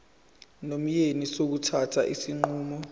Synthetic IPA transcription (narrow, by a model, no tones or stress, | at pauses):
nom̩jenisok̬utʰatʰaʔisiŋ͡ǃuːmɔ